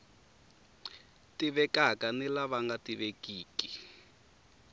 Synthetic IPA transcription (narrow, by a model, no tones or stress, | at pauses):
tiβɛkakanilaβaŋɡatiβekiːki